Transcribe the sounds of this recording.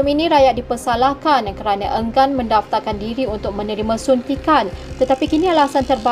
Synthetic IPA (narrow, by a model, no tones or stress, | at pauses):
minĩɾajat̪ʔ̪̚dipəsalahkankəɾanaʔəŋɡanmə̃ndaft̪arkandiɾiunt̪ʊk̚mə̃nəɾimãsunt̪ikant̪ət̪apikinĩalasant̪ərba